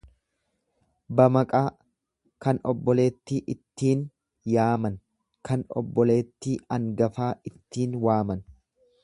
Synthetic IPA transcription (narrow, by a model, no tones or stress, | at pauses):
bɐmɐkʼaː | kɐnɔbːɔle̞ːt̪ːiːʔɪt̪ːiːn | jaːmɐn | kʰɐnɔ̰bːɔle̞ːt̪ːiːɐŋɡɐfaːʔɪt̪ːiːnwaːmɐn